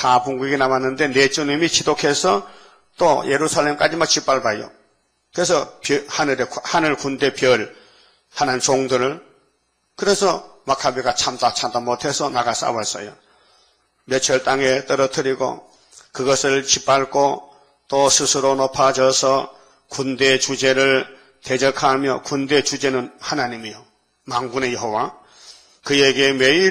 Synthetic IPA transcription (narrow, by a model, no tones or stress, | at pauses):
tapuŋɡuɡinamanːɯnde̞net͡ɕunimit͡ɕʰidokʰe̞sʰʌ | t͈ojʔe̞ɾusʰalːe̞mk͈ad͡ʑimaɭt͡ɕip͈aɭbajo̰ | kɯɾe̞sʰʌpjhanɯɾehanɯɭkunde̞pjʌɭ | hanant͡ɕoŋdɯɾɯɭ | kɯɾe̞sʰʌmakʰabiɡat͡ɕʰamtat͡ɕʰamd̪amotʰe̞sʰʌnaɡas͈a̰wʌs͈ʌ̰jo | mjʌt͡ɕʰʌɭt͈aŋet̪͈ʌɾʌtʰɯɾiɡo̰ | kɯɡʌsʰɯɭt͡ɕʰip͈aɭkʰo | t͈osʰɯsʰɯɾonopʰad͡ʑʌsʰʌ | kund̪et͡ɕud͡ʑe̞ɾɯɭ | t̪ed͡ʑʌkʰamjʌkund̪e̞t͡ɕud͡ʑe̞nɯnhanaɲimijo | maŋɡunejoɦowa | kɯjeɡe̞mei